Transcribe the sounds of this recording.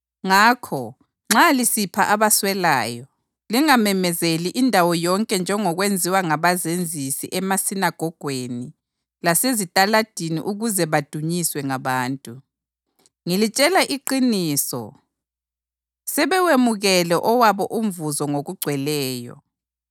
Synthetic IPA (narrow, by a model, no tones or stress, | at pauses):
ŋaːkʰɔ | ŋ͡ǁalisipʰaʔaβaswɛla̰ːjɔ | liŋamɛmɛzeliʔindʱawɔjɔŋkʼɛnd͡ʒʱɛŋɔɣwend͡zʱiwaŋaβazend͡zʱisḭʔɛmasinaɡ̥ʱɔɡ̥ʱweni | lasezitʼalad̥ʱinḭʔuɣuzɛβad̥ʱuɲiswɛŋaβaːntʼu | ŋilit͡ʃʼɛlaʔiǃiniːsɔ̰ | sɛβɛwemuɣɛlɛʔɔwaβɔʔum̩vuzɔŋoɣuɡ͡ǀʱwɛlɛːjɔ̰